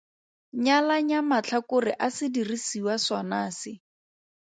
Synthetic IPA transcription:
ɲalaɲamat͡ɬʰakʊrɪʔasɪdirisiwasɔnaːsɪ

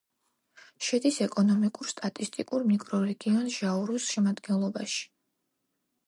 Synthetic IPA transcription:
ʃɛd̪isɛkʼɔnɔmikʼuɾst̪ʼat̪ʼist̪ʼikʼuɾmikʼɾɔɾɛɡiɔnʒ̥auɾusʃɛmad̪ɡɛnlˠɔbaʃi̥

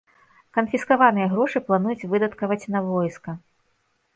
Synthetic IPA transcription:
kɐnfʲiskavanɨjɐɣɾɔʂɨplˠanujut͡sʲvɨd̪ɐt̪kɐvɐt͡sʲnɐvɔjskɐ

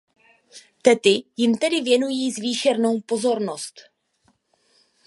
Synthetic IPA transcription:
t̪ɛt̪ɪjɪmt̪ɛdɪvjɛnujiːzviːʃɛɾno̞wpo̞zo̞ɾnost̪

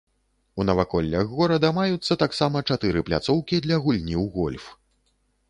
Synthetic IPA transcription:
unɐvakɔlʲːɐɣɣɔɾɐd̪ɐmajut̪sːɐt̪aksamɐt͡ʂat̪ɨɾɨplʲa̰t̪sɔwkʲid̪lʲɐɣulʲnʲiwɣɔlʲf

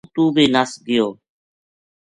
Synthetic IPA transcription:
t̪uːbiːnəsɡɪjoː

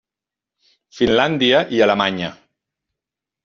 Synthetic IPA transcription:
finland̪iəʔialəmaɲə

